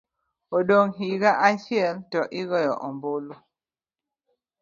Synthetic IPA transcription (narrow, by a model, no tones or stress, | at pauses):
oɗoŋɦiɡaʔasiɛltɔʔiɡɔjɔʔɔmbolo